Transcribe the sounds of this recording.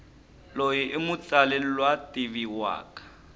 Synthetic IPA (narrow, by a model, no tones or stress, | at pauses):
lojiʔɪmʊt͡salellwatʼiβiwa̰ːkʼḁ